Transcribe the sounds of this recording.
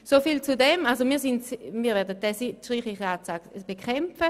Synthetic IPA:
sofiːlt͡sudɛmalzomiːɐsɪntmiːɐvɛɐdəd̥ɛsitʃʁiːχlɪχəaːt͡saɡb̥ekʰɛmfə

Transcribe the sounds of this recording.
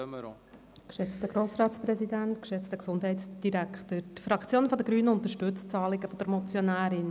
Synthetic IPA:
kʃɛt͡stəɡ̥ɾoːsrɑːtspɾɛzidæntkʃɛt͡stəksʊnd̥ɦɛɪtsd̥iɾækχtətfɾɑkt͡sjoːnəfɔd̪əɡɾyːnəʊnt̪əɾʃtɵt͡st͡sɑːlɪɡəfɔd̥̪əɾmɔt͡sjonæːɾɪn

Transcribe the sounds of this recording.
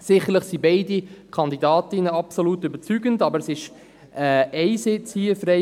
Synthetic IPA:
sɪχəɾləχsibɛɪdikʰɑnd̪idɑːtɪnəɑpsolutʏbət͡syɡəndɑbəɾɛsɪʃ | ɛɛɪsɪt͡shiːəfɾɛ

